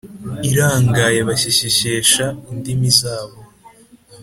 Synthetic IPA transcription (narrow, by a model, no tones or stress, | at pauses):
iɾaːŋɡajeβaɕiɕiɕeːʃaindimizaːβo